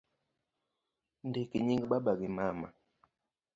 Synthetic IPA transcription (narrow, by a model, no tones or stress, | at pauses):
ndekeɲiŋɡɓaɓaɡimama̰